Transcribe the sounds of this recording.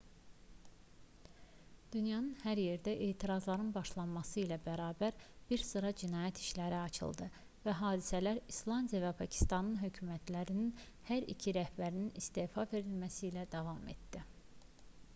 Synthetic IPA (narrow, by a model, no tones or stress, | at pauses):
d̪̥ynjɑnɯnhæɾje̞ɾd̪æʔeːt̪ʰiɾɑzlˠɑɾɯnbɑʃlˠɑnmɑsɯilæbæɾɑːbæɾb̥iɾsɯɾɑd͡ʒinɑːjæt̪ʰiʃlæɾiɑt͡ʃʰɯ̰lˠd̪ɯ | væɦɑːd̪isælæɾislˠɑnd̪ijɑvæpʰɑcʰi̥st̪ɑnɯnɦø̞cʰymæt̪ʰlæɾinin | hæɾḭcʰiɾæhbæɾininist̪e̞ːfɑve̞ɾilmæsilæd̪ɑvɑmḛt̪d̪i